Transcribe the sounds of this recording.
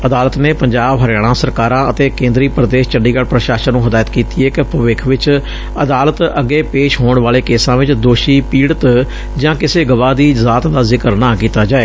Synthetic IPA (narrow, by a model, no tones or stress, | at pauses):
əd̪aːlət̪neːpəɲd͡ʒaːbɦəɾjaːɽ̃ãːsəɾkaːɾãːət̪eːkẽːnd̪ɾiːpɾəd̪eːʃt͡ʃəɳɖiːɡaɽpɾəʃaːʃənũːɦəd̪aːjət̪kiːt̪iːeːkpəʋɪkʰʋɪt͡ʃ | əd̪aːlət̪əɡːeːpeːʃɦoːɳʋaːleːkeːsãːʋɪt͡ʃd̪oːʃiːpiːɽət̪ | d͡ʒãːkɪseːɡəʋaːd̪iːzaːt̪d̪aːzɪkəɾnaːkiːt̪aːd͡ʒaːeː